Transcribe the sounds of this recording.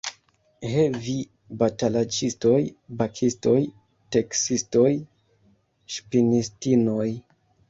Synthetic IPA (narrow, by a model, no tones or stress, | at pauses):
hevi | batalad͡ʒisto̞jbakʰisto̞j | teksisto̞j | ʃpinistinoj